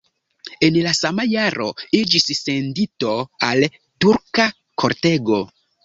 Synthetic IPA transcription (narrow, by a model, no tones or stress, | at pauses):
e̞nlasamajaɾʔo̞̰id͡ʒisːe̞ndito̞al | tuɾka | kʰo̞ɾte̞ɡo̞